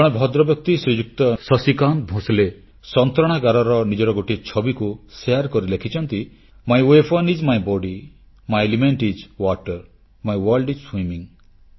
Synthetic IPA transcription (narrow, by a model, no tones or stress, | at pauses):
ɔɽ̃bʱɔd̪ɾɔbjɔk̚t̪isɾid͡ʒuk̚t̪ɔsɔsikan̚bʱõsile | sɔnt̪ɾɔɽ̃aɡaɾɔɾɔnid͡ʒɔɾɔɡoʈit͡ʃʰɔbikuseaɾkɔɾilekʰit͡ʃʰɔnt̪i | majwepʰɔnid͡ʒmajbɔɖi | majelimeɳʈid͡ʒwɔʈɔɾ | majwɔlɖid͡ʒswimiŋ